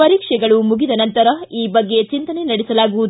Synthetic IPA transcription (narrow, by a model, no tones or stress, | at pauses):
ɐɾiːkʂɛɡɐɭumuɡid̪ɐnɐnt̪ɐɾɐiːbɐɡːe̞t͡ʃint̪ɐnenɐɽɛsɐlaːɡuʋud̪